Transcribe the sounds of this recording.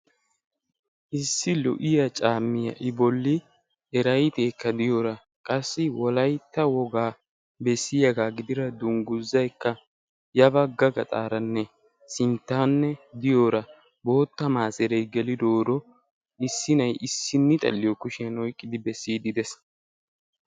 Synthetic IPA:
ʔɪsːɪlʊ̰ʔɪjɐt͡ʃʼaːmːɪjɐ̰ʔɪbɔlːɪ | ɛɾɐjt̪eːkːɐd̪ɪjoːɾɐ | kʼɐsːɪwɔlɐjt̪ːɐwɔɡaː | bɛsːɪjɐɡaːɡɪd̪ɪɾɐd̪ʊŋɡʊzːɐjkːɐ | jɐbɐɡɐɡɐt̪ʼaːɾɐnːɛ | sɪnt̪ːaːnːɛd̪ɪjo̞ːɾɐ | bo̞ːt̪ːɐmaːsɛɾɛjɡɛlɪd̪o̞ːɾɔ | ɪsːɪnɐjʔɪsːɪnːɪt̪ʼɐ̰lːɪjɔkʊʃɪjɐnɔjkʼːɪd̪ɪbɛsːiːd̪ɪd̪ɛs

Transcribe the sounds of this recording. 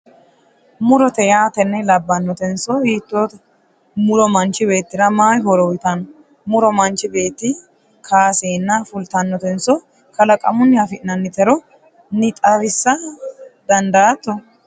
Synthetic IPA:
mʊɾɔt̪ɛjaːt̪ɛnːɛlɐbːɐnːɔt̪ɛnsɔhiːt̪ːoːt̪ɐ | mʊɾɔmɐnt͡ʃːɪbe̞ːt̪ːɪɾɐmaːjɦɔɾɔwɪt̪ɐnɔ | mʊɾɔmɐnt͡ʃːɪbe̞ːt̪ːɪ | kʰaːseːnːɐfʊlt̪ɐnːɔt̪ɛnsɔ | kɐlɐkʼɐ̰mʊnːɪɐfɪʔnɐnːɪt̪ɛɾɔ | nɪt̪ʼɐwɪsːɐd̪ɐnd̪ɐːt̪ːɔ

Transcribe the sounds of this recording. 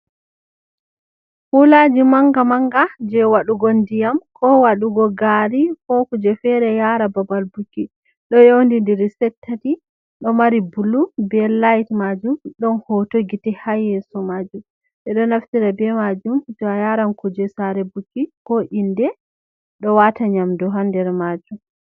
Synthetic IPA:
hulad͡ʒimaŋɡamaŋɡad͡ʒɛwaɗuɡondijamkʰɔwaɗuɡɔɡaɾikɔkud͡ʒɛfɛɾɛjaɾababalbukːi | ɗɔjowndindɛɾisɛtʰːati | ɗɔmaɾibulːubɛlajtmad͡ʒumɗɔnhotoɡitɛhajːɛsɔmad͡ʒum | ɗɛɗɔnaftiɾabɛmad͡ʒumd͡ʒɔajaɾankud͡ʒɛsaɾɛbukːikɔʔindɛ | ɗɔwataɲamdɔɦandɛɾmad͡ʒum

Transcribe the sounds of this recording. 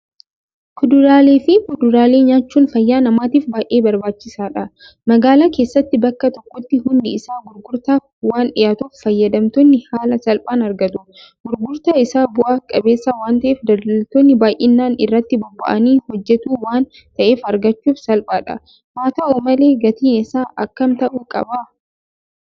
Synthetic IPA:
kʊd̪ʊɾaːle̞ːfɪkʊd̪ʊɾaːle̞ːɲaːt͡ʃːuːnfɐjːaːnɐmaːt̪iːfbaːjʔeːbɐɾbaːt͡ʃːɪsaːᶑɐ | mɐɡaːlaːke̞ːsːɐt̪ːɪbɐkːɐt̪ɔkːɔt̪ːɪhʊnd̪ɪɪsaːɡʊɾɡʊɾt̪aː | waːnᶑɪjaːt̪uːffɐjːɐd̪ɐmt̪oːnːɪhaːlɐsɐlpʼaːnɐɾɡɐt̪u | ɡ̥ʊɾɡʊɾt̪aːɪsaːbʊʔaːkʼɐbe̞ːsːaːwaːnt̪ɐʔeːfd̪ɐlɐlt̪oːnːɪbaːjʔɪnːaːnɪrːɐt̪ːɪbɔbːɐ̰ʔɐniːhɔd͡ʒːɛt̪uːwaːn | t̪ɐʔe̞ːfɐɾɡɐt͡ʃːuːfsɐlpʼaːᶑɐ̰ | maːt̪aːoːmɐle̞ːɡɐt̪iːnɪsaːʔɐkːɐmt̪ɐʔuːkʼɐ̰bɐ

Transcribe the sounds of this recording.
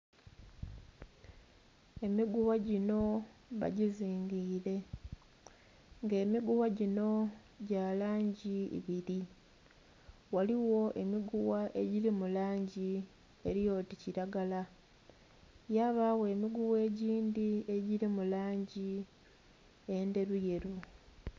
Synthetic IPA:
emiɡuwaɟino̞βa̰ɟiziːŋɡiːɾe̞ | ŋɡe̞ːmiɡuwaɟino̞ | ɟaːlaːɲɟḭβiɾi | waliwo̞ʔe̞miɡuwaʔe̞ɟiɾimulaːɲɟi | e̞ɾijo̞ticiɾaɡala | jaβawe̞ːmiɡuβe̞ːɟiːndie̞ɟiɾimulaːɲɟi | e̞nde̞ɾuje̞ɾu

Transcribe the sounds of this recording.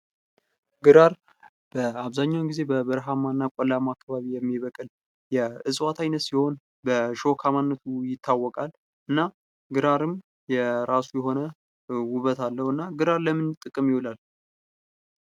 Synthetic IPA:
ɡɨɾaɾ | b̥əaβzaɲːawnɡize̞bəbəɾɦamanːakʷʼɔlamakʰːaβaβijɛmːiβəkʼɨl | jɛɨsʼwat̪ʰajnət̪siho̞n | bəʃo̞kʰamanːət̪ʰujɪt̪ʰːawːɔkʼal | ʔɨnːa | ɡɨɾaɾɨm | jɛɾasujɛɦo̞nə | wʊβət̪ʰalːəhɨnːaɡɨɾaɾləmɨnt̪ʼɨkʼɨmjɪwulal

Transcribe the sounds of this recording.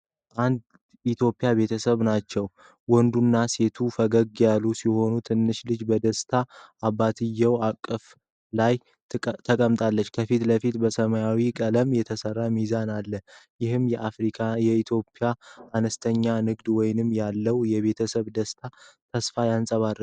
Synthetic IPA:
ʔand̪ | it̪ʰjo̞pʼijaβe̞t̪ʰəsəβnat͡ʃːɛw | wɔnd̪unːase̞t̪ʰufəɡəɡjalːusiho̞nut̪ʰɨnːɨʃlɨd͡ʒbəd̪əst̪ʰaabat̪ʰɨjːəwakʼːəf | laj | t̪ʰəkʼəmt̪ʼalːət͡ʃːkʰəfit̪ləfit̪bəsəmajawikʼələmjɛt̪ʰəsərːamizanalːəjɪhɨmjɛʔafɾikʰajɛit̪ʰjo̞pʼːjaanəst̪ʰəɲːanɨɡd̪wɔjnɨmːjalːəwjɛβe̞t̪ʰəsəβd̪əst̪ʰat̪ʰəsfajansʼəβarə

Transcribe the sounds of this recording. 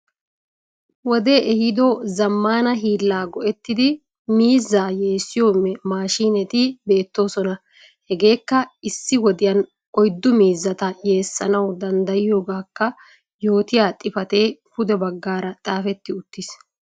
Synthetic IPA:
wɔd̪e̞ːʔɛhɪd̪ɔzɐmːaːnɐɦiːlːaːɡɔʔɛt̪ːɪd̪ɪ | miːzːaːje̞ːsːɪjo̞ːmːɛmaːʃiːnɛt̪ɪbe̞ːt̪ːo̞ːsɔnɐ | hɛɡe̞ːkːɐɪsːɪwɔd̪ɪjɐn | ʔɔjd̪ːʊmiːzːɐt̪ɐje̞ːsːɐ̰nɐwd̪ɐnd̪ɐjɪjo̞ːɡaːkːɐ | jo̞ːt̪ɪjaːt̪ʼɪfɐt̪e̞ːhʊd̪ɛbɐɡːaːɾɐt̪ʼaːfɛt̪ːɪʊt̪ːɪs

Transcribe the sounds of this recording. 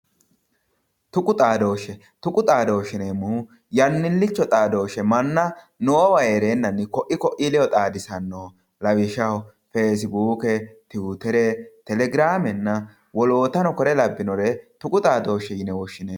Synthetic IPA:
t̪ʊkʼʊt̪ʼaːd̪o̞ːʃɛ | t̪ʊkʼʊt̪ʼaːd̪o̞ːʃɪneːmuː | jɐnːɪlːɪt͡ʃːɔt̪ʼaːd̪o̞ːʃɛmɐnːɐ | noːwɐjeɾe̞ːnːɐnːɪkɔʔɪkɔʔɪlɛɔt̪ʼaːd̪ɪsɐnːoː | lɐwɪʃɐhɔ | feːs̬ɪbuːkɛt̪ɪːt̪ɛɾɛt̪ɛlɛɡɪɾaːmɛnːɐ | wɔlo̞ːt̪ɐnɔkɔɾɛlɐbːɪnɔɾɛt̪ʊkʼʊt̪ʼaːd̪o̞ːʃːɛjɪnɛwɔʃːɪneː

